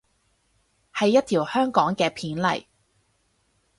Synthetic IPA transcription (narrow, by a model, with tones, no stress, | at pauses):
hɐ˨jːɐ˥t̚t̪ʰiː˨˩whœː˥ŋkɔː˨˥ŋkɛː˧pʰiː˨˥nlɐ̰˨˩j